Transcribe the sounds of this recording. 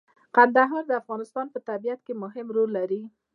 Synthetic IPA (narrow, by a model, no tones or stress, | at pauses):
qand̪aɦɑɾd̪əafɣɑnɪst̪ɑnpət̪abijat̪kemʊɦɪmɾolːaɾi